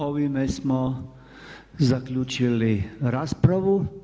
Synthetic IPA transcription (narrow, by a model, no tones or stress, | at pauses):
oʋimɛsmo | zakʎʲuːt͡ʃiliɾaːspɾaʋu